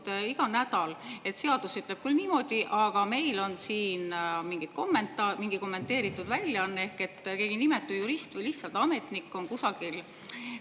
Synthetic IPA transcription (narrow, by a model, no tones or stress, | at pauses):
t̪iɡ̥ɑnæd̪̥ɑle̞t̪se̞ɑd̪̥usyt̪leb̥̚kylniːmo̞d̪̥iʔɑɡ̥ɑme̞jlo̞nsiːnmiŋɡit̪̚ko̞mːent̪ˑɑmiŋɡ̥iko̞mːe̞nt̪ːˑe̞ːɾit̪ːˑud̪vælʲːjɑɑnːe̞hke̞t̪ːke̞ːɡ̥inime̞t̪ːˑujuɾist̪vejliht̪sɑlt̪ɑme̞t̪nikˑːo̞nkusɑɡ̥il